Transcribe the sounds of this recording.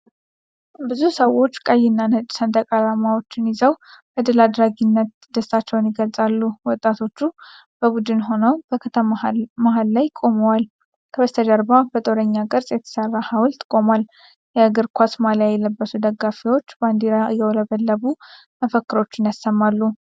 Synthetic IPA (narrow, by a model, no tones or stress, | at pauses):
bɨzusəwo̞t͡ʃːkʼajːɪnːanət͡ʃʼsənt̪ʼəkʼalamawo̞t͡ʃːɪnɪzəwbəd̪ɨlad̪ɾaɡinːət̪̚d̪əstat͡ʃːɛwnjɪɡəlsʼalːuwɔt̪ʼːat̪ʰo̞t͡ʃːu | b̥əbud̪ɨnɦo̞nəwbəkʰət̪ʰəmmaɦalːajkʼo̞məwal | kʰəβəst̪ʰəd̪əɾbabət̪ʼoɾəɲːakʼɨɾsʼjɛt̪ʰə̥sərːahawlt̪kʼo̞mal | jɛɡɨɾkʷʰasmaljajɛləbːəsud̪əɡːafiwo̞t͡ʃːband̪iɾajɛwləβəlːəβu | məfəkːɨɾo̞t͡ʃːɪnjasəmːalːu